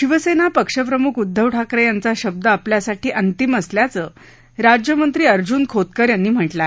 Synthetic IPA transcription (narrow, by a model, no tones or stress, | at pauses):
ɕiʋəsenapəkʂəpɾəmukud̪ʱːəʋʈʰakɾəjant͡saɕəb̚d̪əapljasaʈiːʔənt̪iməsljat͡səː | ɾad͡ʑjəmənt̪ɾiːəɾd͡ʑuːnkʰot̪̚kəɾjanːiːm̤əʈla